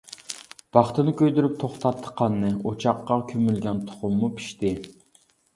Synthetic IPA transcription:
b̥ɑχt̪ɨnɨkʲøjd̪yɾyp̚t̪ʰoχt̪ʰɑt̪ʰːə̥qʰːɑnːɨot͡ʃʰɑqːɑkʲʰømylɡʲɛnt̪ʰʊ̥χʊmːupʰi̥ʃt̪ɪ

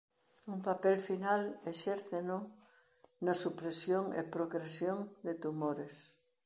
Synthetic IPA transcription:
umpapɛlfinaleʃɛɾθeno | nɐsupɾesjoŋḛpɾoɣɾesjoŋd̪et̪umoɾes

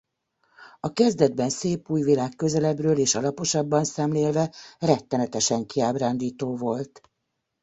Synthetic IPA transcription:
ɒkɛzd̪ɛd̪bɛnseːpuːjvilaːkkːø̞zɛlɛbrøːleːʃɒlɒpo̞ʃɒbːɒnsɛmleːlvɛrɛt̪ːɛnɛt̪ɛʃɛŋkiaːbraːnd̪iːt̪oːvo̞lt̪

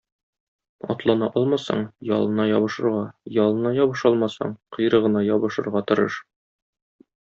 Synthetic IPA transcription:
ɒ̰t̪lˠɑnɑʔɒlˠmɑsɑ̰ɴjɒlˠɤ̆nɑjɒβɤ̆ʃɤ̆ɾʁɑjɒlˠɤ̆nɑjɒbɤ̆ʃɒlˠmɑsɑ̰ɴqɤ̆jɾɤʁɤ̆nɑjɒbɤ̆ʃɤ̆ɾʁɑt̪ŏɾɤʃ

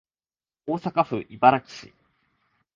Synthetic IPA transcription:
oːsakaɸɯ̟ʔibaɾaki̥ɕḭ

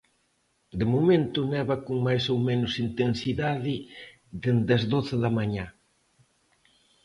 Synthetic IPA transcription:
d̪ɪmomẽnt̪ʊnɛβɐkoŋmajsowmenʊsint̪ensiðaðɪ | ðend̪ɐzðoθɪðɐmaɲa

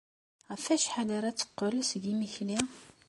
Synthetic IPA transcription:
ʁæfæʃħalaɾat͡sːə̥qːələsɡiməçli

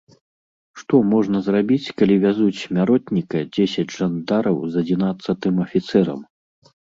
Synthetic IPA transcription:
ʂt̪ɔmɔʐnɐzrabʲit͡sʲkalʲivʲazut͡sʲmʲaɾɔt̪ʲnʲikɐd͡zʲesʲɐd͡zʲʐand̪aɾɐwzɐd͡zʲinat̪sːɐt̪ɨmɐfʲit̪sɛɾɐ̰m

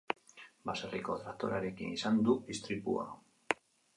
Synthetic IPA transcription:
baseriko̞t̪ɾat̪o̞ɾaɾe̞kḭnisand̪uist̪ɾipṵa̰

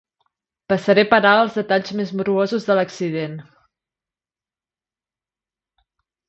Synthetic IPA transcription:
pəsəɾepəɾaəlˠzðət̪aʎzmezmuɾuozuzðələksiðen

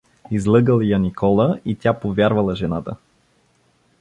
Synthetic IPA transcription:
izlˠɤɡəlˠjɐnikʰɔlˠəit̪ʲapovʲjaɾvɐlˠɐʒɛnat̪ə

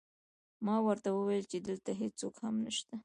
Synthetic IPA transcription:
mɑwəɾt̪awəwajəlt͡ʃed̪əlt̪aɦet͡sokhamnəʃt̪a

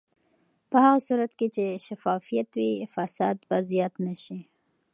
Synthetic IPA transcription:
pəhaɣasuɾat̪ket͡ʃeʃafɑfijat̪wifasɑd̪bazjat̪naʃi

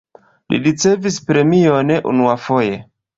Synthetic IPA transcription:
lḭɾit͡se̞vispɾe̞mione̞ʔṵnuafo̞je̞

